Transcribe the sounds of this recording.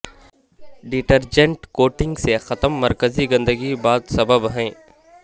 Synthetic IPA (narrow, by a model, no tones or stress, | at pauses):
ɖiʈəɾd͡ʒẽɳʈkoːʈɪ̃ŋɡsexɐt̪əmːɐɾkəziɡɐ̃nd̪əɡibaːt̪sɐbəbɦɛ̃ː